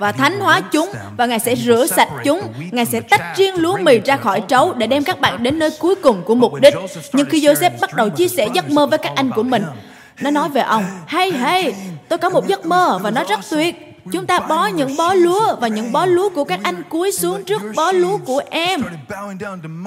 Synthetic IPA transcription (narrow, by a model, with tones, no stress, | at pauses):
vaː˨˩t̪ʰa˨˦jŋ̟hwaː˨˦t͡ɕʊ˨˦ŋ͡mvaː˨˩ŋaː˨˩jsɛ̰˧˥zɨ̰˧˩əsa˨˩jt̚t͡ɕʊ˨˦ŋ͡mŋaː˨˩jsɛ̰˧˥t̪a˦˥jk̚zi˧əŋlu˨˦əmi˨˩zaː˧xɔ˧˩jt͡ɕə˨˦wɗe˧˩ɗɛ˧mkaː˦˥k̚ɓa̰ː˧˨nɗe˨˦nːəː˧jku˨˦əjkʊ˨˩ŋ͡mku˧˩əmʊ˨˩k͡p̚ɗï˦˥k̟̚ɲɨ˧ŋxi˧zo˧jsɛ˦˥p̚ɓa˦˥t̚ɗə˨˩wt͡ɕi˧əsɛ̰˧˩zə˦˥t̚məː˧vəː˨˦jkaː˦˥k̚ʔa˧jŋ̟ku˧˩əmï˨˩ŋ̟ | nɔ˨˦nɔ˨˦jve˨˩ʔə˧wŋ͡mha˧jɦə˧jt̪o˧jkɔ˨˦mo˨˩t̚zə˦˥t̚məː˧vaː˨˩nɔ˨˦jzə˦˥t̚t̪wi˨˩ət̚ | t͡ɕʊ˨˦ŋ͡mt̪aː˧ɓɔ˨˦ɲɨ̰˧˥ŋɓɔ˨˦lu˨˦əvaː˨˩ɲɨ̰˧˥ŋɓɔ˨˦lu˨˦əku˧˩əkaː˦˥k̚ʔa˧jŋ̟ku˨˦əjsɨ˨˦əŋt͡ɕɨ˦˥ək̚ɓɔ˨˦lu˨˦əku˧˩əʔɛ˧m